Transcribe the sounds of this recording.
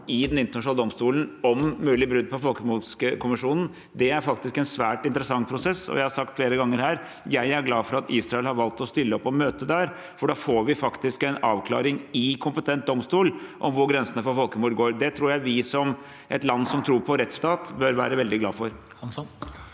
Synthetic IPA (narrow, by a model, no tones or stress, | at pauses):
ɪd̪ɛnɪnt̪ənɑʂnɑld̪ɔmst̪uːln̩ɔmːʉːlɪbɾʉd̪̚ːpʰɔfɔlkəmuːsəkʰʊmɪʂuːnn̩ | d̪ɛæɾfɑkt̪ɪskɛnsʋæːʈɪnt̪ɾəsɑŋːpʰɾʊsɛsːɔ̰jæɪhɑɾsɑk̚t̪fleːɾəɡɑŋːəɾhæːɾ | jæɪæɾɡlɑːfɔɾɑt̪iːsɾɑɛlhɑɾʋɑlt̪ɔst̪ʏlːəɔpːɔmøːt̪əd̪æɾ | fɔɖɑːfoːɾʋɪfɑkt̪ɪskɛɪnɑ̰ːʋkʰlɑ̰ːɾɪŋɪkʰʊmpət̪ʰɛnt̪̚d̪ɔmst̪uːlʔɔ̰mʋʊɾɡɾɛnsənəfɔfɔlkəmuːɾɡoːɾd̪ɛt̪ʰɾuːɾjæɪʋɪsɔm | ʔɛ̰t̪lɑnːsɔmt̪ʰɾuːɾpʰɔɾɛt̪st̪ɑːt̪bœɾʋæ̰ːɾəʋɛld̪ɪɡlɑ̰ːfɔɾ